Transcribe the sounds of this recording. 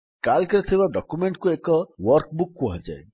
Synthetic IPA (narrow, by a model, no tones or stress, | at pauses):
kalkiɾɔt̪ʰibaɖɔkumeɳʈkuekɔwɔɾkbukːuɦad͡ʒa̰e